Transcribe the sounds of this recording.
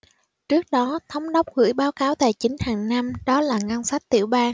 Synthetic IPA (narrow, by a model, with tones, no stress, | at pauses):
t͡ɕɨ˦˥ək̚ɗɔ˨˦t̪ʰə˨˦wŋ͡mɗə˦˥wk͡p̚ɣɨ̰˧˥jɓaː˨˦wkaː˨˦wt̪a̰ː˧˩jt͡ɕï˨˦ŋ̟haː˨˩ŋna˧mɗɔ˨˦laː˨˩ŋa˧nsa˦˥jk̚t̪ḭ˧˩əwɓaː˧ŋ